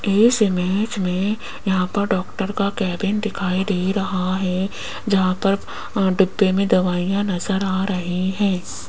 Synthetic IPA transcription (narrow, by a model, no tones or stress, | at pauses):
ɪsɪmɪːd͡ʒmẽ | jɐɦãːpɐɾɖɔːkʈəɾkakɛːbɪnd̪ɪkʰaːid̪eːɾɐɦaɦɛ | d͡ʒɐɦãpɐɾ | ɖʊbːemẽd̪ɐʋaːijãnɐzəɾaːɾɐɦiɦɛ̃ː